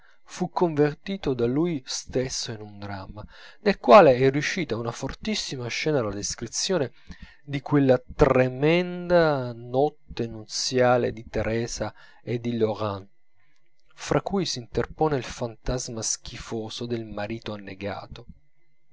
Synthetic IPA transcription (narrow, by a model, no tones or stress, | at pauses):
fukʰːoɱvert̪iːt̪od̪alujst̪esːoinund̪ɾa̰manelkwaːleɛrjuʃːiːt̪aunafort̪isːimaʃːɛːnalad̪eskɾit̪sːjoːne | d̪ikwelːat̪ɾemɛnd̪anɔt̪ːenut̪sjaːlḛd̪it̪eɾɛːza | ed̪iloʁan | fɾʔakːujsiːnt̪erpoːneilfant̪azmask̟ifoːzod̪elmaɾiːt̪oanːeɡa̰ːt̪o